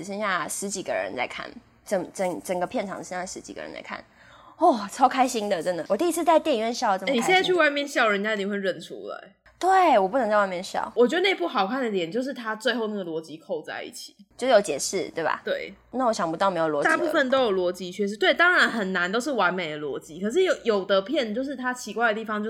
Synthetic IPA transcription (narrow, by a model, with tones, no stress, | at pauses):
ʂə˥nɕja˥˩ʂɻ̩˧˥t͡ɕi˨˩ɡə̰˦ɻə̰˧˦nt͡sa˥˧ɪkʰa̰˥˩n | ʈ͡ʂə˨˩ŋt͡sə˨˩ŋʈ͡ʂə˨˩ŋɡə˦pʰjɛ˥˩nʈ͡ʂʰɑ˨˦ŋ˩ʂɕja˥˩ʂɻ̩˧˦˥t͡ɕi˨˩ɡə̰˩ɻə̰˦lt͡sa̰˧˥ɪkʰa̰˥˩n | ɔ˥˩t͡sʰɑ˥ʊkʰa˥ɪɕi˥ŋd̪ə˨ʈ͡ʂə˦nd̪ə˨˩wɔ˨˩i˥˩i˧˥t͡s̩ʰ˥˧t͡sa˥˧ɪt̪jni˨˧˩ɥɛ˥˧nɕjɑ˥˩ʊ˩˧˥i˨˥ɛ˥˧nt͡sa˥˧ɪt͡ɕʰy˥˧wa˥˧ɪmjɛ˥˨nɕjɑ˥˩ʊɻə˦nt͡ɕja˥˨i˨˥˩we˥˧ɻə˥˩nʈ͡ʂʰṵ˦la̰˨˩˦ɪ | t̪we˥˩ɪwɔ˨˩p̬u˥˩nə˧ŋt͡sa˥˧wmjɛ˥˩nɕjɑ̰˥˩ʊwɔ˨˩t͡ɕɥɛ˧˥d̪ə˧ne˥˧ɪpu˥˩xɑ˨˩ʊkʰa˥˩nd̪ə˨t̪jɛ˨˩nt͡ɕjo˥˧ʊʂ̬ɻ̩˥˩t̪ʰa˥t͡swe˥˧ɪxo˥˧ʊna˥˩ɡə˩lwɔ˧˥t͡ɕi˧˥kʰo˥˧ʊt͡sa̰˥˧ɪḭ˥˩t͡ɕʰi̥˨˩t͡ɕjo˥˧ʂ̩˥˩o˨˧˥ʊt͡ɕjɛ̰˨˩ʂɻ̩˥˩t̪we˥˩ɪba̰˨˩t̪we˥˩ɪ | na˥˩wɔ˧˥ɕjɑ˨˩ŋpu˧t̪ɑ˥˩me˧˥ɪjlwɔ˧˥t̪a˥˧˥pu˥˧˥fə˥˨nt̪̬o˥ʊjo˨˩lwɔ˧˥t͡ɕi˧˥t͡ɕʰɥɛ˥˧˩ʂɻ̩˥˧t̪we˥˩ɪt̪ɑ˥ŋɻa˧˦˥nxə˨˩nna˧˦nt̪o˥ʊʂ̬ɻ̩˥˩wa˧˦˥nme˨˩ɪd̪ə˩lwɔ̰˧˥t͡ɕi˦˥kʰɤ˨˩ʂ̬ɻ̩˥˩jo˨˩ʊjo˨˩ʊt̪ə˧˦pʰjɛ˥˩nt͡ɕjo˥˧ʊʂ̬ɻ̩˥˩t̪ʰa˦˥t͡ɕʰi˧˥kwa˥ɪd̪ə˩t̪i˥˩fɑ˨˦ŋt͡ɕjo˥˧ʊ